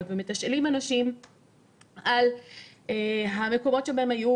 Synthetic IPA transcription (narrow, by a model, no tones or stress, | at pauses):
vemet̪aʃʔaliːmanaʃiːm | ʔal | eɦamekobot̪ʃebahemhaju